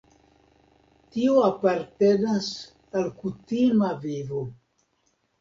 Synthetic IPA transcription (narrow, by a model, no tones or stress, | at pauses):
tioapaɾte̞nas | alkutimavivo